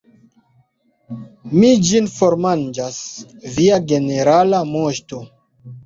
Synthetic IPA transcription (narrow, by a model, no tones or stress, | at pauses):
mid͡ʒinfoɾmand͡ʒasviaɡe̞neɾalamoʃto